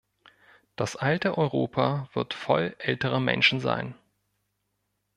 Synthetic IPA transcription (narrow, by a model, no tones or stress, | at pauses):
d̥asʔaltəʔɔʏʁoːpʰav̥ɪɐtfɔ̰lʔɛltəʁəmɛ̰nʃn̩za̰ɪn